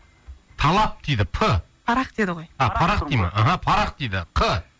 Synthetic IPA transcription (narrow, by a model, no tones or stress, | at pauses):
t̪ʰɑlˠɑp̚d̪̥ejd̪ɪpʰə | pʰɑɾɑqd̪̥ed̪ɪʁojɑpʰɑɾɑqd̪ejmɑ̰ʔaɦapʰɑɾɑq̚d̪̥ejd̪ɪqʰə